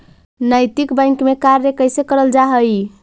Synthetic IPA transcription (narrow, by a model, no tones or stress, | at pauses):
nəjt̪ikbə̃ŋkmekaɾːekəjsekəɾəld͡ʒaɦəj